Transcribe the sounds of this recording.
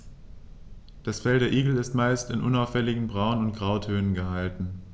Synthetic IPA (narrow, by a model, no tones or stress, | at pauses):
d̥asfɛldeːɐʔiːɡl̩ɪstmaɪstɪnʔʊnaʊfɛlɪɡŋ̩bʁaʊnʊntɡ̥ʁaʊtʰøːnənɡəɦaltn̩